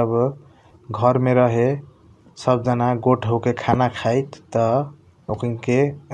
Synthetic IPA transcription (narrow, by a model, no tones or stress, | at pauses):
əb | ɡʱʌɾmeɾʌɦe | sʌb̚d͡ʒanaɡoʈʰɦəwkekʰanakʰajt̪ːʌ | okŋke